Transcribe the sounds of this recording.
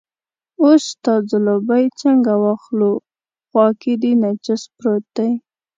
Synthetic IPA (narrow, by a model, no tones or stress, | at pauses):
ost̪ɑzəlobajt͡ʃaŋɡawɑxlo | ɣwɑkid̪inad͡ʒɪspɾot̪aj